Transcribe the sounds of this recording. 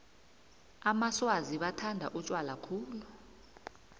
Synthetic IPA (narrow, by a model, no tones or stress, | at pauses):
amaswaziɓatʰandʱa̰ʔut͡ʃʼwalakʰuːlu